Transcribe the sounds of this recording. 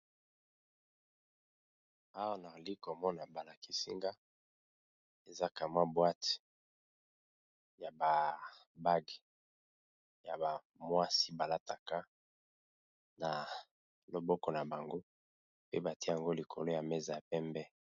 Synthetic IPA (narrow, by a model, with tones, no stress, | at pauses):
a˦wa˦na˨li˦kɔ˨mɔ˦na˨ba˨la˨ki˦si˦ŋɡa˦ | e˨za˦ka˨ma˦bwa˦t | ja˨ba˨ | ba˦ɡ | ja˨ba˨ | mwa˦si˦ba˨la˦ta˨ka˦ | na˨ | lo˨bɔ˦kɔ˨na˨ba˨ŋɡo˦ | pe˦ba˨ti˦e˦ja˨ŋɡo˦li˨kʰo˨lo˦ja˨mɛ˦za˨ja˨pɛ˦mbɛ˦